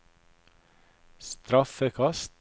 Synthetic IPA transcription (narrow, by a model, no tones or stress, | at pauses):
st̪ɾɑfəkʰɑst̪